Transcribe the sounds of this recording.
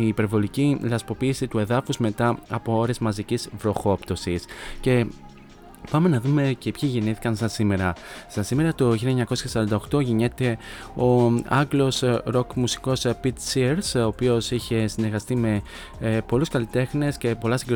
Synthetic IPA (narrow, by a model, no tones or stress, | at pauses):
iːpe̞ɾvo̞licilɐspo̞piːsit̪ue̞ðɐfuzme̞t̪ɐɐpo̞o̞ɾe̞zmɐzicizvɾo̞xo̞pt̪o̞sisce̞ | pɐme̞nɐðume̞ce̞pçiʝeniθikɐnsɐsime̞ɾɐst̪ɐsime̞ɾɐt̪o̞çilieɲɐko̞sçɐsɐɾɐnd̪ɐo̞xt̪o̞ʝiɲet̪e̞o̞ɐ̰ɡlo̞sɾo̞kmusi̥ko̞spit̪siɾso̞ːpio̞siçe̞sine̞ɾɣɐst̪ime̞ | po̞luskɐlit̪e̞xne̞sce̞po̞lɐsiŋɡɾ